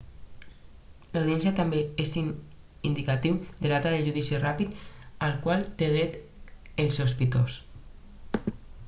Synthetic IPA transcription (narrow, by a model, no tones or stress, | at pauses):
lawð̞iɛns̬jat̪ambeesi | ind̪ikat̪iwd̪eðat̪aðeʒuðisirapit̪alkwalˠt̪eð̞ɾet̪ | elsospit̪os